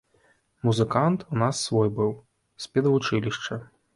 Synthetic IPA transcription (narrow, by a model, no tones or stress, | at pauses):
muzɨkant̪unasːvɔjbɨw | sʲpʲɛd̪ɐvut͡ʂɨlʲiʂt͡ʂɐ